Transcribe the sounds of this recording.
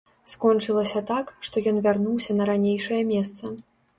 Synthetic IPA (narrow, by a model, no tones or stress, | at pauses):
skɔnt͡ʂɨlˠɐsʲɐt̪akʂt̪ɔjɔnvʲarnuwsʲɐnɐɾanʲejʂɐjɛmʲɛst̪sɐ